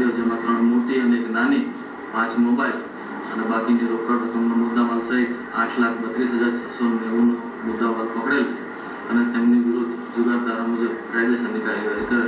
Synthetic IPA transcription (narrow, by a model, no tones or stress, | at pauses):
ɽjod͡ʒemãt̪ɾəɳ̃moʈiəneeknani | pãt͡ʃmobail | ənebakiniɾokəɾp̪ət̪ʰəmnomʊd̪ːamalsai | ãʈʰlak̚ʰbət̪ɾisɦəd͡ʒaɾt͡ʃʰəsonneʋuno | mʊd̪ːamaɾpəkɽajot͡ʃʰe̥ | ənet̪emniʋɪɾod̪ʱ | d͡ʒʊɡaɾd̪ʱaɾamud͡ʒəbkajd̪esənːikaɾiʋaɾikəɾe